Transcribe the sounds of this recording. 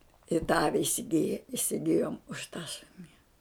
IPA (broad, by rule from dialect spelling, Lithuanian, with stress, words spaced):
ɪ tɐ ˈɑːʋʲɪ ɪsʲɪˈɡʲɪjɛ ɪsʲɪˈɡʲɪjoːm ʊʃ tɐ ˈʃʊnʲɪ